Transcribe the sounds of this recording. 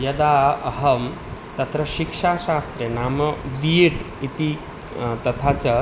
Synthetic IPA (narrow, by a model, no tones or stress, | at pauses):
jɐd̪aɐɦɐm | t̪ɐt̪ɾəɕikʂaɕaːst̪ɾenaːmɐʋiːɽ | it̪i | t̪ɐt̪ʰat͡sɐ